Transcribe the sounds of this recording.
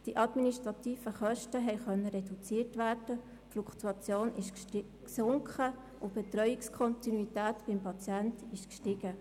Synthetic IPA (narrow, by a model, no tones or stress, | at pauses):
d̥iʔɑd̪miniʃtɾɑt̪iːfəχœʃtəɦɛɪχœnːəɾɛdut͡siːtʋæːrd̥ə | flukt̪uɑt͡sjoːnɪʃ | ksʊŋkχə | ʔʊb̥ɛtɾœʏikskʰɔntinuitæːtbɪmpʰɑt͡sjɛntɪʃkʃtɪɡ̥ə